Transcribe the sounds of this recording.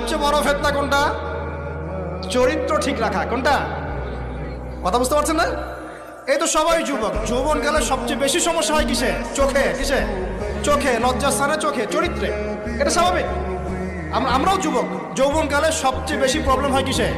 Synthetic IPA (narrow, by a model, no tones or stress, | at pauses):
ɔb̚t͡ɕejbɔɾobʱet̪ːakoɳʈa | t͡ɕoɾit̪ːɾoʈʰikɾakʰakoɳʈa | kɔt̪ʰabulst̪epaɾt͡ɕʰenːa | ejt̪oʃɔbajd͡ʑubok̚d͡ʑowbonkaleʃɔb̚t͡ɕejbeʃiʃɔmoʃːaɦɔjkiʃʰet͡ɕokʰekiʃet͡ɕokʰeɾɔːast̪ʰanet͡ɕokʰet͡ɕoɾit̪ːɾe | eʈaʃabʱabik | amamɾaod͡ʑubok | d͡ʑowbonkaleʃɔb̚t͡ɕejbeʃipɾɔblemɦɔjkiʃe